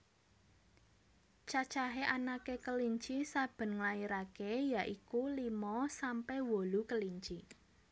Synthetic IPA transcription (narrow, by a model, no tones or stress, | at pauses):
t͡ʃat͡ʃaɦeʔanakekəliɲt͡ʃisab̥ə̤nŋlaiɾakejaʔikulimɔsampɛhwolukəliɲt͡ʃi